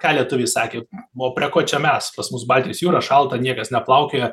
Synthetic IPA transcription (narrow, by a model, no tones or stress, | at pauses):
kɑːlʲiɛt̪ʊʋʲɪːsɑːkʲeːoːpʲɾʲiɛkoːt͡ʃʲɛmʲɛspɐsmʊsbɑlʲt̪ʲɪjsjuːɾɐʃɐlˠt̪ɐnʲiɛkɐsnʲɛplˠɐʊkʲeːj